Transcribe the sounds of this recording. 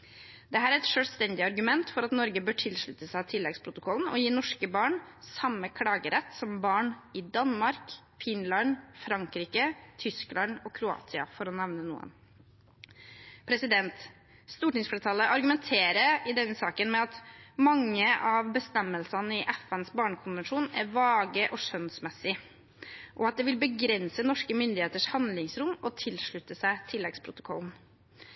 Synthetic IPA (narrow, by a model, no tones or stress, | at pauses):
d̪̥ɛɦæːɾæɾɛt̪ʂøːlst̪ɛnd̪ɪɑɾɡʉmɛnt̪fɔɾɑt̪nɔɾɡəbøːʈʰɪlʂɭʉt̪əsæɪt̪ʰɪlːɛɡspʰɾʊt̪ʊkʰɔlːn̩ɔjiːnɔʂkəbɑːɳsɑmːəkʰlɑːɡəɾɛt̪ːsɔmbɑːɳɪd̪ɑnmɑɾk | fɪnlɑnfɾɑŋkɾiːkət̪ʰʏsklɑnɔkʰɾʊɑ̰ːt̪sɪɑ̰fɔɾɔnɛʋnənṵːə̰n | pʰɾɛsɪd̪ɛnt̪ | st̪uːʈɪŋsfɔɾt̪ʰɑlːəʔɑɾɡʉmɛnt̪ʰeːɾəɾɪd̪ɛnːəsɑːkənmɛɑt̪mɑŋːəʔɑʋbəst̪ɛmːəlsɑnəɪʔɛfɛnsbɑːɳəkʰʊnʋɛnʂuːnæɾʋɑːɡəʔɔʂœnsmɛsɪ | ʔɔɑt̪̚d̪ɛʋɪlbəɡɾɛnsənɔʂkəmʏnd̪ɪheːt̪əʂhɑnd̪lɪŋsɾʊmɔt̪ʰɪlʂɭʉt̪ːəsæɪt̪ʰɪlːɛɡspʰɾʊt̪ʊ̥kʰɔ̰ln̩